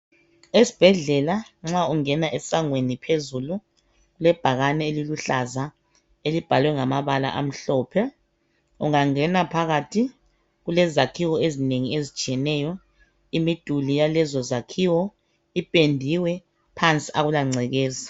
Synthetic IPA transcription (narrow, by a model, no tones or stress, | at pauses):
esi̥b̥ʱɛɮɛlaŋ͡ǁauŋɛnaʔɛsaŋwenipʰezulu | ɣulɛb̥ʱaɣanɛeliluɬaza | elib̥ʱalwɛŋamaβala̰ʔa̰m̩ɬɔːpʰɛ | ṵŋaŋɛnapʰaɣatʰi | ɣulɛzakʰiwɔezineŋiezit͡ʃʼiɛnɛjɔ | imid̥ʱulijalɛzɔzakʰiwɔ | ipʼendʱiwɛ | pʰant͡sʼiaɣulaŋ͡ǀʱɛɣɛːza